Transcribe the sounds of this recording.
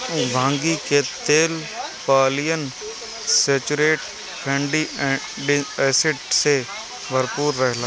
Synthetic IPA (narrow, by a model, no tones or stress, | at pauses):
bʱãːŋɡiket̪eːlpaːlɪjən | seːt͡ʃʊɾeːʈ | kʰẽːɳɖiː | ɖɛːsɪʈse | bʱəɾpuːɾːəɦlaː